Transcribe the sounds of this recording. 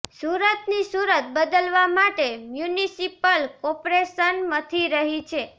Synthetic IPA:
suɾət̪nisuɾət̪̚bəd̪əlʋamaʈemjunisipəlkɔpɾeʃənmət̪ʰiɾəɦit͡ʃʰe

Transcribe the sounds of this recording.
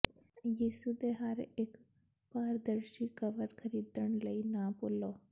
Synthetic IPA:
jiːsud̪eɦɐɾeːk | paːɾd̪əɾʃikəʋəɾkʰəɾiːd̪əɽ̃ləinaːpʊloː

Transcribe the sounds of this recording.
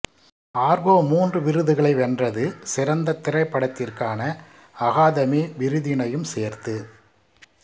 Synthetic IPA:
aːɾɣoːmuːndrɯʋɪɾɯðɯɣɐɭɐɪʋɛndrɐðɯsɪɾɐnd̪ɐt̪ːɪrɐɪpːɐɽɐt̪ːɪrkaːnɐ | ɐɣaːðɐmiʋɪɾɯðɪnɐjɯmseːɾt̪ɯ

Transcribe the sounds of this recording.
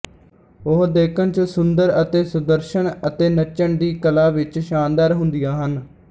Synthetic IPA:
ʊɦd̪eːkʰənt͡ʃsʊnd̪əɾət̪eːsʊd̪əɾʃənət̪eːnət͡ʃəɳɖiːkəlaːʋɪt͡ʃʃaːnd̪aːɾɦʊnd̪ijaːɦən

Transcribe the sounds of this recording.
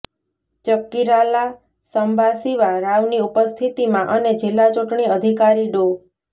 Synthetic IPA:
t͡ʃəkːiɾala | səmbʱasiʋaɾaʋniupəst̪ʰit̪imãʔəned͡ʒilːat͡ʃuʈɳiəd̪ʱikaɾiɖo

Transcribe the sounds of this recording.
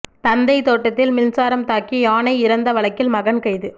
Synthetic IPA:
t̪ɐnd̪ɐɪt̪oːʈːɐt̪ːɪlmɪnsaːɾɐmt̪aːkiaːnɐɪɪɾɐnd̪ɐʋɐɭɐkːɪlmɐɣɐnkɐɪðɯ

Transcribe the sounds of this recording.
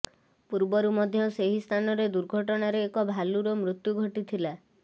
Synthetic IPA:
puɾbɔɾumɔd̪ʱjɔseɦist̪ʰanɔɾed̪uɾɡʱɔʈɔɽ̃aɾeːkɔbʱaluɾɔmɾut̪juɡʱɔʈit̪ʰila

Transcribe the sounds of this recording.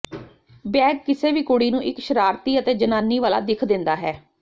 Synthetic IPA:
bɛːɡkɪseːʋiːkʊɽiːnũːʔɪkʃəɾaːɾt̪iːət̪eːd͡ʒənaːnːiːʋaːla̰ːd̪ɪkʰd̪ɪ̃nd̪aːɦɛː

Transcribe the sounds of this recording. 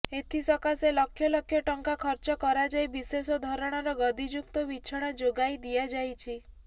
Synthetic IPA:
et̪ʰisɔkaselɔkʰːjɔlɔkʰjɔʈɔŋkakʰɔɾt͡ʃɔkɔɾad͡ʒajbisesɔd̪ʱɔɾɔɽ̃ɔɾɔɡɔd̪id͡ʒuk̚t̪ɔbit͡ʃʰɔɽ̃ad͡ʒoɡajd̪ijad͡ʒajt͡ʃʰi

